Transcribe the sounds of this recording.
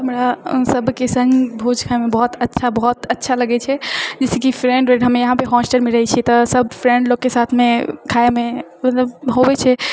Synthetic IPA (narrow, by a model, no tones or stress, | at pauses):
ɦəmɾasəbʱkesə̃ŋɡbʱud͡ʒkʰaemebəɦut̪ətːt͡ʃʰabəɦut̪ətːʃʰaləɡɛt͡ʃʰɛd͡ʒɛsekipʰɾẽɳɖɾeɖɦəmejəɦãpeɦɔsʈelmeɾəɦɛt͡ʃʰit̪əsəbʱfʰɾẽɳɖloɡkːesat̪ʰmekʰaememət̪ləbɦobɛt͡ʃʰɛ